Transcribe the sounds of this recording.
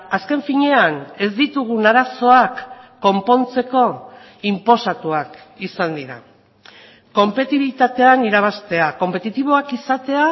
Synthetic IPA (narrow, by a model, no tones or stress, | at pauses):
aske̞ɱfiɲe̞ane̞zd̪it̪uɣunaɾaso̞akː | o̞mpo̞nt͡se̞ko̞ | impo̞sat̪uak | isand̪iɾa̰ | ko̞mpe̞t̪iβilit̪at̪e̞aniɾaβ̞ast̪e̞ako̞mpe̞t̪it̪iβ̞o̞akisat̪e̞a